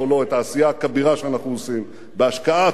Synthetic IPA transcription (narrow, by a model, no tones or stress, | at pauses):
olo̞etaːsijakabiʁaʃeanaχnuosim | beaʃkaa